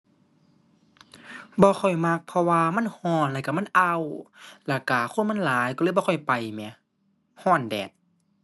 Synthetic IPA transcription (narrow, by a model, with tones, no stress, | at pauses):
bɔː˧xʰɔ˧˨˩jma˧k̚pʰɔ˧waː˧ma˧˥˨nhɔː˧˩˨nlɛ˧˩˨ka˧˩ma˧˥˨nʔa˧wla˧˩kaː˨˧˩xʰo˧˥˨nma˧˥˨laː˨˦jkɔː˧˨bɔː˧kʰɔ˧˩˨jpa˨˩jmɛ˧˩˦ | hɔː˧˥˩ndɛː˨˩p̚